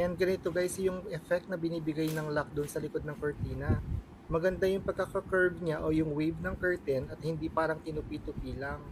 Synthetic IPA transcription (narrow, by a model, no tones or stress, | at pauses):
janɡɐnɪt̪oɡajsɐjʊŋɛfɛk̚t̪̚nɐbɪniːbɪɡajnɐŋlak̚d̪ʊnsɐlɪko̞d̪̚nɐŋkoɹt̪iːnɐ | mɐɡɐnd̪ajʊŋpɐɡ̚kːɐkɐkɛɹb̚ɲaʔojʊŋwijb̚nɐŋkɛɹt̪ɛnɐt̪̚hɪnd̪ipaːɾɐŋt̪ɪnʊpiːt̪ʊpiːlɐŋ